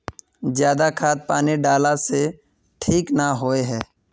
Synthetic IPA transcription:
zjaːd̪akʰaːt̪̚paːneɖaːlase | ʈʰiːknaɦoeɦɛː

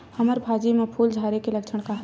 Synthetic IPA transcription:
həməɾbʱaːd͡ʒimepʰuːld͡ʒʱaːɾekeləkt͡ʃʰəɽ̃kaɦ

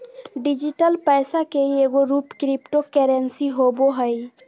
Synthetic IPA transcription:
ɖid͡ʒiʈəlpəjsakeieɡoɾupkɾipʈokɛɾensiɦoboɦəj

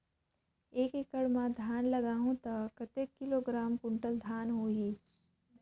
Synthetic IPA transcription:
eːkekəɽmãd̪ʱjaːnlɐɡaːɦõt̪akɐt̪ekːɪloːɡɾaːmkʊɳʈəld̪ʱaːnɦoːiː

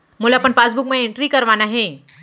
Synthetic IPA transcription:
mulapəɳfasbuk̚mẽiɳʈɾiːkəɾʋanaɦe

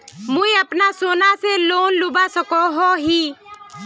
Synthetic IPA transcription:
mũĩəpnasoːnaseloːnlubasəkɔɦɔɦiː

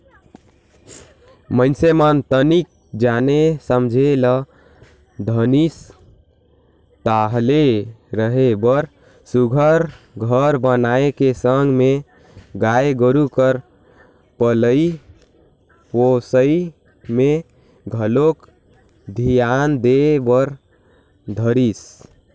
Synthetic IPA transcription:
mənsemənt̪ənik̚ | d͡ʒanesəmd͡ʒʱelə | d̪ʱənis | t̪aɦleɾəɦebəɾ | suɡʱəɾ | ɡʱəɾbənaekesəŋɡme | ɡaeɡəɾukəɾ | pələi | posəi | me | ɡʱəlok | d̪ʱijand̪ebəɾ | d̪ʱəɾis

